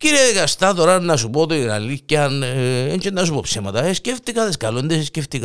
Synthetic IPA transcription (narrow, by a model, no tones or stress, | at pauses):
ciɾieðikɐst̪ɐt̪oɾɐnnːɐsupot̪oinɐ̰liɐnent͡ʃenːɐsupo̞psemɐt̪ɐesceft̪ikɐðeskɐlond̪esesceft̪ik